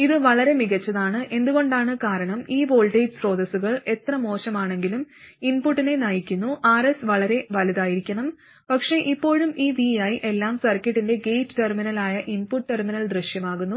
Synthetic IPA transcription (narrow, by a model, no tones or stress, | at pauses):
iðɨʋɐɭɐɾe̞miɣɐt͡ɕːɐðaːɳɨʔe̞nd̪uɣo̞ɳɖaːɳɨkaːɾɐɳɐmiːbo̞ːlʈɐjʈsro̞ːd̪ɐsuɣɐɭe̞t̪ːrɐmo̞ːɕɐmaːɳe̞ŋɡiluminpuʈːine̞nɐjikʲːunːuʔaːɾesʋɐɭɐɾe̞ʋɐliðaːjiɾikʲːɐɳɐm | pɐkʂe̞ʔipːo̞ːɻumiːʋiɐjʔe̞lːaːmsɐrkːɐʈːinde̞ɡejʈːɨʈerminɐlaːjɐʔinpuʈːʈːerminɐld̪rɐɕjɐmaːɣunːu